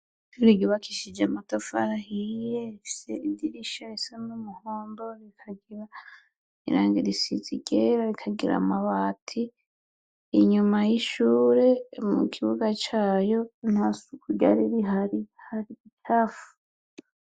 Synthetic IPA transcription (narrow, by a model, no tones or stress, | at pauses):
tuɾiɟoβakʰiʃid͡ʒamatofa̰ɾahijeifi̥se̞idiɾiʃaisemumuhoːmbo̞ɾikʰaɡiɾa | ḭɾaːŋɡiɾisḭziɟeɾaɾikʰaɡiɾa̰maβatʰiː | ɲumajiʃuːɾe̞mṵkʰiβuɡat͡ʃaːjo̞nhasukuɟa̰ɾiɾiɦaɾihaɾiitʰaːfu̥